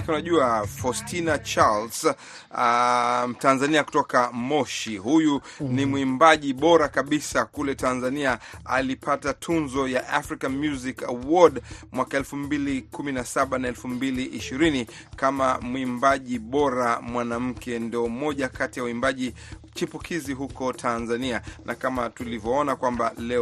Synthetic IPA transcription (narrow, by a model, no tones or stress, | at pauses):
unaʄuafɔstʰinat͡ʃals | m̩tanzaniaku̥tɔkamɔʃihuju | nimwimbaʄiɓɔɾakaɓisakulɛtanzaniaa̰lipʰatatʰunzɔjaʔafɾikanmjuzikawɔdmwakaɛlfumbilikuminasaɓanaɛlfumbiliʔiʃiɾini | kamamwimbaʄiɓɔɾamwanam̩kɛndiɔmɔʄakatijauimbaʄi | t͡ʃipukʰiziɦukɔtʰanzanianʔakamatulivjɔɔnakwamba̰lɛ